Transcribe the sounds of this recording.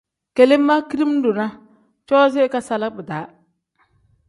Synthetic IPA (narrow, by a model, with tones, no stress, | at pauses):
ke˨le˦mːa˦ki˦ɾi˦m˦dʊ˨na˦ | t͡ʃɔ˦zɪ˦ka˦sa˨la˦kbɨ˨daː˨˦